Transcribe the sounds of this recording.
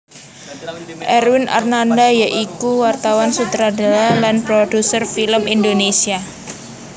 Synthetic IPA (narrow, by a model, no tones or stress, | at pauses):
ʔɛɾwɪnʔa̰rnandajaʔikuwart̪awansut̪ɾadalalanpɾod̥usərfiləmindonesia